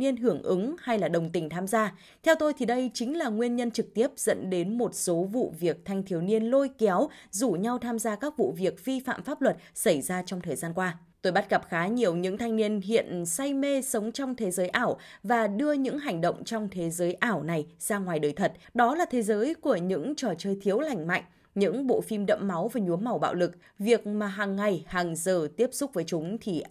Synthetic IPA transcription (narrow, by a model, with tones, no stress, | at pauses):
ni˧ənɦɨ˧˩əŋʔɨ˨˦ŋha˧jlaː˨˩ɗə˨˩wŋ͡mt̪ï˨˩ŋ̟t̪ʰaː˧mzaː˧ | t̪ʰɛ˧wt̪o˧jt̪ʰi˨˩ɗə˧jt͡ɕï˨˦ŋ̟laː˨˩ŋwi˧ənɲə˧nt͡ɕɨ˨˩k̚t̪i˦˥əp̚z̥ə̰˧˥nɗe˨˦nmo˨˩t̚so˨˦vṵ˧˨vi˨˩ək̚t̪ʰa˧jŋ̟t̪ʰi˧˩əwni˧ənlo˧jkɛ˨˦wzu˧˩ɲa˧wt̪ʰaː˧mzaː˧kaː˦˥k̚vṵ˧˨vi˨˩ək̚vi˧fa̰ː˧˨mfaː˦˥p̚lwə˨˩t̚sa˧˩jzaː˧t͡ɕɔ˧wŋ͡mt̪ʰəː˨˩jzaː˧nkwaː˧ | t̪o˧jɓa˦˥t̚ɣə˨˩p̚xaː˨˦ɲi˨˩əwɲɨ̰˧˥ŋt̪ʰa˧jŋ̟ni˧ənɦḭ˧˨ənsa˧jme˧sə˨˦wŋ͡mt͡ɕɔ˧wŋ͡mt̪ʰe˨˦zəː˨˦jʔaː˧˩wvaː˨˩ɗɨ˧əɲɨ̰˧˥ŋɦa˨˩jŋ̟ɗə̰˧˨wŋ͡mt͡ɕɔ˧wŋ͡mt̪ʰe˨˦zəː˨˦jʔaː˧˩wna˨˩jz̥aː˧ŋwaː˨˩jɗəː˨˩jt̪ʰə˨˩t̚ɗɔ˨˦laː˨˩t̪ʰe˨˦zəː˨˦jku˧˩əɲɨ̰˧˥ŋt͡ɕɔ˧˩t͡ɕəː˨˩jt̪ʰi˨˦əwla˨˩jŋ̟ma̰˧˨jŋ̟ | ɲɨ̰˧˥ŋɓo̰˧˨fi˧mɗə̰˧˨mma˨˦wvaː˨˩ɲu˨˦əmːa˨˧˩wɓa̰ː˧˨wlɨ˨˩k̚ | vi˨˩ək̚maː˨˩ɦaː˨˩ŋːa˨˩jhaː˨˩ŋzəː˨˩t̪i˦˥əp̚sʊ˦˥k͡p̚vəː˨˦jt͡ɕʊ˨˦ŋ͡mt̪ʰi˨˩